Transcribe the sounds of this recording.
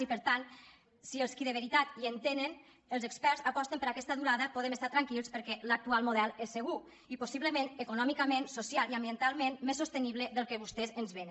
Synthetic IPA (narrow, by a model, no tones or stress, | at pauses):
ipəɾt̪an | siəlˠskiðəβ̞eɾit̪at̪iənt̪enən | əlˠzəkspɛɾzapɔst̪empəɾakɛst̪aðuɾaðəpoɔðemest̪at̪ɾaŋkilˠspəɾkɛlak̚t̪ualˠmoðɛlˠesːəɣu | iposiβləmenəkunɔmikamensosjaliambjənt̪alˠmenmesːust̪əniβləðəlˠkəβust̪ɛzənzβen